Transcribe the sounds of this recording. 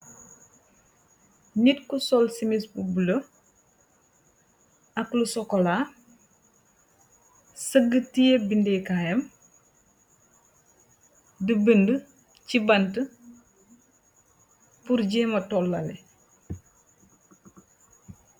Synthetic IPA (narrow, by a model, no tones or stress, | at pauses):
nitkusɔlsimisbubulə | ɐklusɔkːɔla | səɡətijebindɛkaːjɐm | dəbəndə | cibɐntə | puɾɟɛːmɐtɔlːɐlɛ̰